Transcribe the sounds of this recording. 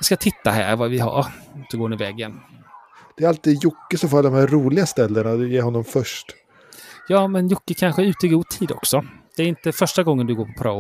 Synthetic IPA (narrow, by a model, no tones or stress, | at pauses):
ɪskat̪ʰɪt̪ːa̰ɦæ̰ːɾvavɪɦa̰ɾd̪̥ɵɡoːɾnvɛɡːən | d̪̥ɛɛɾalt̪iːd̪jʊkːəsɔfald̪ɔmhæɾɾuːlɪɡast̪ɛlːəɳad̪ɵjeːɾɦɔnːɔmfœʂʈ | jɑːmɛnjʊkːəkʰanɧəʉ̟ːt̪əɪɡuːd̪̚t̪ʰiːd̪ɔ̰ksɔd̪̥ɛæɾɪnt̪əfœʂʈaɡɔŋːənd̪ɵɡoːɾpʰɔpʰaɾa̰